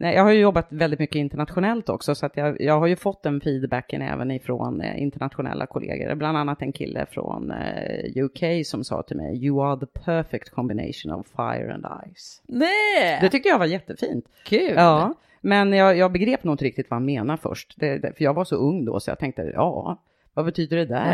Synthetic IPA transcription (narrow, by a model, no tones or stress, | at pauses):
nʔɛjʔɑːɡhaɾjɵjɔbːat̪vɛld̪ɪt̪mʏkːəɪnt̪əɳat̪ɧʊnɛlt̪ɔksɔsɔat̪jɑːjɑːɡɦaɾjɵfɔt̪ːd̪ɛnfiːd̪bækːənɛ̰ːvənɪfɾɔnɪ̰nt̪əɳat̪ɧʊnɛ̰lːakʰʊlḛːɡə̰ɾbland̪anːat̪ɛnkʰɪlːəfɾɔ̰njʉːkʰejsɔmsɑ̰ːt̪ʰɪlmɛjjɵaðəpʰœfɛkt̪kʰɔmbɪneɪʂʊnɔ̰vfajə̰ɾɛ̰̃nd̪a̰jsnɛd̪ɛt̪ʰʏk̚t̪əjavajɛt̪ːəfiːnt̪ | kʰʉɑː | mɛnjɑːjɑːɡ̚bɛɡɾeːpnʊːɪnt̪əɾɪkt̪ɪt̪vaɛnmeːnaɾfœ̰ʂʈd̪ɛd̪fœjɑːɡvaʂɔɵŋːd̪o̰ːsɔjɑ̰t̪ʰɛŋk̚t̪ə̰jɑː | vabɛt̪ʰyːd̪əɖɛd̪æ